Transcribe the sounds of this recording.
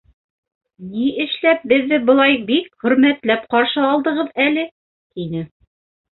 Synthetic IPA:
niɘ̆ʃlæp̚bɘ̆ðːɘbɤ̆lˠɑjbik̚χɵ̆ɾmæt̪læp̚qɑɾʃɤɑlˠd̪ɤ̆ʁɤðælɘ | t̪inɘ

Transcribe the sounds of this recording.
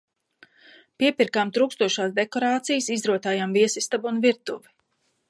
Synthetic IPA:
piɛpiɾkaːmt̪ɾuːkst̪uɔʃaːsd̪ekɔɾaːt̪sijsizɾuɔt̪aːjamviɛsist̪abunviɾt̪uvi

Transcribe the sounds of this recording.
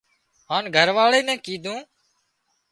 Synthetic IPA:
ɦaːnɡʱəɾʋaːɭeːnɛ̃ːkiːd̪ʱũː

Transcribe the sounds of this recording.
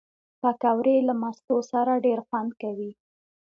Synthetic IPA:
p̪akawɾelamast̪osaɾaɖeɾxwand̪̚kawi

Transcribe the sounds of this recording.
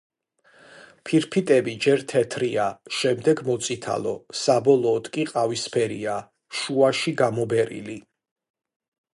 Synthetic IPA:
pʰiɾpʰit̪ʼɛbid͡ʒɛɾt̪ʰɛt̪ʰɾiaʃɛmd̪ɛɡmɔt̪sʼit̪ʰa̰lɔsabɔlˠɔːd̪kʼiqʼavispʰɛɾia | ʃuaʃiɡamɔbɛɾḭli

